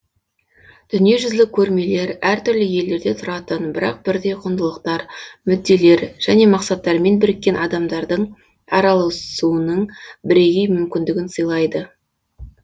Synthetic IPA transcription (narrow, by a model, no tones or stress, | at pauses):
d̪̥ʏnije̞ʒʏzlɪkʲʰɵɾme̞le̞ɾæɾt̪ʏɾlɪje̞lːe̞ɾd̪e̞t̪ʰʊɾɑt̪ənbɪɾɑ̰q̚b̥ɪɾd̪e̞jqʰʊnd̪əlˠəqt̪ɑɾmʏd̪ːe̞le̞ɾʒ̥æne̞mɑqsɑt̪ːɑɾme̞nbɪɾɪkʲːe̞nʔɑd̪ɑmd̪ɑɾd̪əɴ | ɑɾɑlˠəsuənəɴbɪɾe̞ɡʲe̞jmʏmkʲɪnd̪ɪɡʲɪnsəjlˠɑjd̪ə